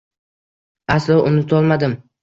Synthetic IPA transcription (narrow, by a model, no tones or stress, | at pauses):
aslˠɒʔʊnɪt̪ʰɒlˠmad̪ɪm